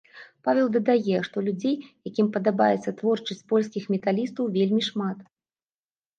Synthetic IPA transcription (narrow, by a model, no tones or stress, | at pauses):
pavʲɛlˠd̪ɐd̪ajɛʂt̪ɔlʲud͡zʲejjakʲimpɐd̪aba̰jɛt̪sːɐt̪vɔrt͡ʂɐsʲt͡sʲpɔlʲskʲixmʲɛt̪alʲist̪ɐwvʲelʲmʲiʂmat̪